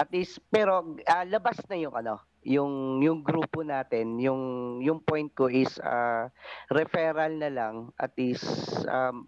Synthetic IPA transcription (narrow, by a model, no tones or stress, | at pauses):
ʔɐt̪̚ɪspɛːɾo̞ʔɐlɐbasnɐjʊŋʔɐno̞ | jʊŋjʊŋɡɾuːponaːt̪ɛnjʊŋjʊŋpo̞jnt̪̚ko̞ʔɪsa̰ | ɾɛfɛːɾɐlnɐlaŋʔɐ̰t̪̚ʔɪsʔam